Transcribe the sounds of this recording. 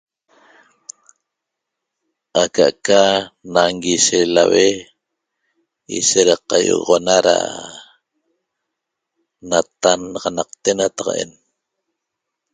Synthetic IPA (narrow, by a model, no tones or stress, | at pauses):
akaʔkanaŋɡiʃela̰we | ḭʃeɾaqɑjo̰ɣʁonaɾa̰ | nat̪anʁɑnɑq̚t̪enat̪ɑ̥qɑ̰ʔḛn